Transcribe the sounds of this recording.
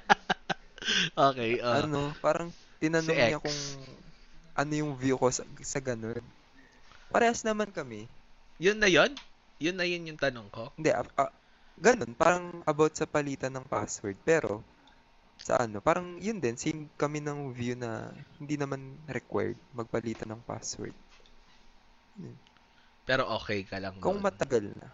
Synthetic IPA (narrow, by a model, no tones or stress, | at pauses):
ʔoːkɛjʔoʔɐno̞paːɾɐŋt̪ɪnɐnoɲɲɐkʊŋ | ʔɐno̞jʊŋvjuko̞sɐsɐɡɐno̞n | pɐɾɛːɐsnɐmankɐmɛjʊnːɐjon | jʊnːɐjonjʊŋt̪ɐnoŋkoɪnd̪ɛʔɐʔɐ | ɡɐno̞npaːɾɐŋʔɐbot̪̚sɐpɐliːt̪ɐnɐŋpa̰swɛɹd̪̚pɛːɾo̞̰ | sɐ̰ʔɐno̞paːɾɐŋjʊnd̪ɛnsɪmkɐmɛnɐŋvjunɐ̰hɪnd̪inɐmanɾɛkwɛ̰ɹd̪̚mɐɡ̚pɐliːt̪ɐnɐŋpa̰swɛ̰ɹd̪̚ | non | pɛːɾoʔoːkɛjkɐlɐŋkoŋmɐt̪ɐɡalnɐ̰